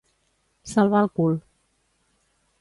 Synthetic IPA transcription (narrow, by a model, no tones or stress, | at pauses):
salβalˠkul